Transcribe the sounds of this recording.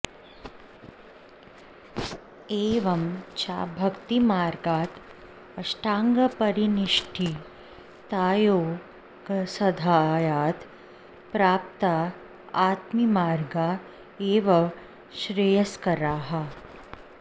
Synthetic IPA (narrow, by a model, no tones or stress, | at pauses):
eːʋɐmt͡ʃa̰ːbʱɐkt̪imaːɾɡaːt̪ | ɐʃʈaːŋɡɐpɐɾiniʃʈʰi | t̪aːjoː | kɐsɐd̪ʱaːjaːt̪ | pɾaːp̚t̪a | aːt̪mimaːɾɡa | eːʋɐ | ʃɾejɐskɐɾaːɦa